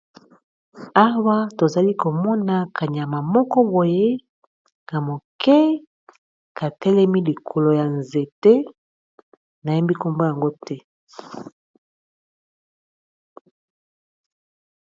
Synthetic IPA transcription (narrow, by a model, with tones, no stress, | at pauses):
a˦wa˦to˨za˨li˦ko˨mɔ˦na˨kʰa˨ɲ˨a˨ma˨mɔ˦kɔ˦bo˨je˦ | na˨mo˨kɛ˦ | ka˨tɛ˦lɛ˦mi˦li˨kʰo˨lo˨ja˨nze˨te˦ | na˨ja˦mbi˦ko˦mbo˦ja˨ŋɡo˦tɛ˦